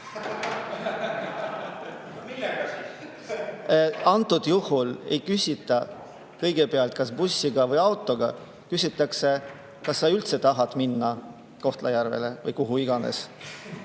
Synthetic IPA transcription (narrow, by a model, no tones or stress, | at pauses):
ɑnt̪ːˑud̪̥juhule̞̰jkysʲit̪ːˑɑ | kɤ̞jɡ̥epeɑlt̪̚kɑsbusʲːiɡ̥ɑvɤjɑwt̪ːˑo̞ɡ̥ɑ | kysʲit̪ːˑɑkse̞ | kɑsːɑylt̪se̞t̪ɑɦɑd̪̥minːɑ | ko̞ht̪lɑjærve̞̰le̞vɤjkuɦuiɡ̥ɑnḛs